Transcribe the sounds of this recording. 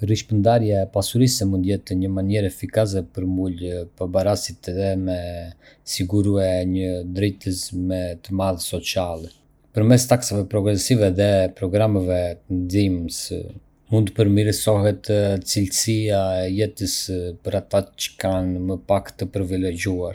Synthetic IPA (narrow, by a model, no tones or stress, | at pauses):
riʃpənd̪aɾjaɛpasuɾisɛmund̪jɛt̪ɲəmanɛɾɛfikas̬ɛpəɾmulpabaɾasit̪ɛðɛmɛ | siɡuɾuɛɲəd̪ɾɛt̪əsmɛt̪əmaðsɔt͡sialɛ | pəɾmɛst̪aksavɛpɾɔɡɾɛsivɛðɛpɾɔɡɾamavɛt̪ənzims | mund̪əpəɾmiɾəsɔɦɛt̪t͡silsiaɛjɛt̪əspəɾat̪at͡ʃə̥kanməpakt̪əpəɾivilɛɟuaɾ